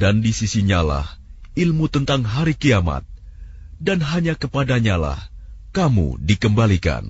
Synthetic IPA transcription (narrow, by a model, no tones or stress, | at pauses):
dandisisiɲala̰hilmut̪ənt̪aŋɦaɾikiama̰t̪̚ | danɦaɲakəpadaɲala̰hkamṵdikəmbalika̰n